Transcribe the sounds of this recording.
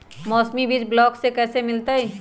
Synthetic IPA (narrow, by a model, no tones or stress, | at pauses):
mɔːsmibʱid͡ʒblɔːksekɛːsemɪlt̪aɦɛː